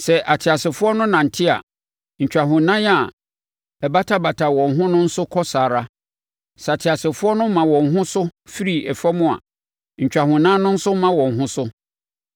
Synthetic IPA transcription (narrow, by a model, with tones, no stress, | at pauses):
sɛ˨ʔa˨tʰɪ˨a˨sɪ˨fʊ˦ɔ˦nʊ̃˦nã˨n̩˨tʰɪ˦a̰˨ | ɲ̩˨t͡ɕᶣa˨ɦʊ̃˨nã˦ja˨ | ɛ˨ba˦tʰa˦ba˨tʰa˨wɔ̃˨n˨ɦʊ̃˦nʊ̃˦n̩˦sʊ˦kʰɔ˦saː˨ɾa˦ | sɛ˨a˨tʰɪ˨a˨sɪ˨fʊ˦ɔ˦nʊ̃˦m˦mã˨wɔ̃˨n̩˨ɦʊ̃˦sʊ˦fi˦ɾi˨ɛ˨fa˦mʊ̃˦a̰˨ | ɲ̩˨t͡ɕᶣa˨hʊ̃˨nã˦nʊ̃˦n̩˦sʊ˦m˦mã˦wɔ̃˨n̩˨ɦʊ̃˦sʊ˦